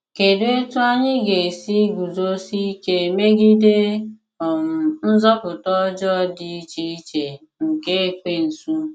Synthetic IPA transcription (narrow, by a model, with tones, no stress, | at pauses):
ke˨du˦e˦tu˦a˦ɲɪ˦ɡe˨si˦ɡu˨zo˦si˦ke˦˨me˦ɡi˦de˦ | ɔ˨m̩˨n̩˦zɔ˦pʊ˨tɔ˦d͡ʒɔ˦dɪ˦i˦t͡ʃi˦i˦t͡ʃe˨ | ŋ̩˨ke˦e˦˨kʷe˨n̩˨su˦